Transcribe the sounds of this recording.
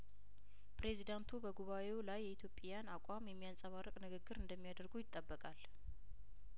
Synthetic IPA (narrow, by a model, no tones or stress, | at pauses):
pʰɾe̞zid̪ant̪ʰubəɡuβaʔe̞wlajːɛit̪ʰjo̞pʼjanakʷʼamjɛmːijansʼəβarːəkʼnɨɡɨɡːɨɾɨnd̪əmːijad̪əɾɡujɪt̪ʼːəbːəkʼal